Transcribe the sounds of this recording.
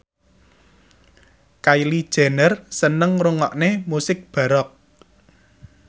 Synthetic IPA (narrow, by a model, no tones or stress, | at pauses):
kajlid̥ʒ̥a̤nərsənəŋruŋɔʔnemusɪk̚b̥a̤ɾɔk̚